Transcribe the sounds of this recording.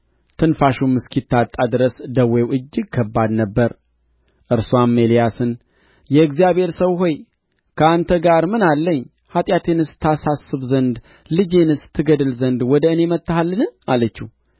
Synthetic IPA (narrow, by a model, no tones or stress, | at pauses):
t̪ʰɨnfaʃumɨskʰit̪ʰːat̪ʼːad̪ɨɾəsd̪əwːewʔɨd͡ʒːɪɡ̚kʰəbːad̪nəbːəɾ | ʔɨɾswamːelijasɨn | jɛɨɡzijaβhe̞ɾsəwho̞j | kʰəant̪ʰəɡaɾmɨnalːəɲː | hat̪ʼjat̪ʰenɨst̪ʰasasːɨβzənd̪ | lɨd͡ʒenɨst̪ʰːɨɡəd̪ɨlzənd̪wɔd̪əɨne̞mət̪ːəhalːɨnɨalət͡ʃːu